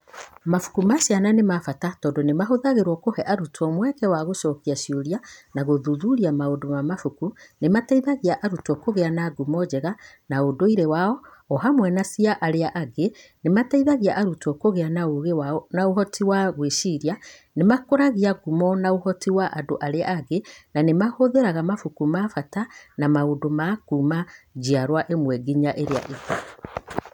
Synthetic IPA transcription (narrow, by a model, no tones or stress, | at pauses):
mafu̥kumaʃiananemafatatɔːndonemaɦoðaɣeɾwɔkohɛʔaɾutʰɔmwɛkɛwaɣoʃɔkiaʃiuɾianaɣoðuðuɾiamaodomamafukunemataiðaɣiaʔaɾutɔkoɣeanaɡumɔd͡ʑɛɣa | naodoiɾewaɔɔhamwɛnasiaʔaɾeaʔaɡe | nemataiðaɣiaʔaɾutɔkoɣeanaoɣnaoɦɔtiwaɣweʃiɾja | nemakoɾaɣiaɡumɔnaohɔtiwaʔadoʔaɾeaːɡenanemahoðeɾaɣamafukumafatanamaodomakuːmad͡ʒiaɾwaʔemwɛɡiɲaʔeɾea̰ʔiɡa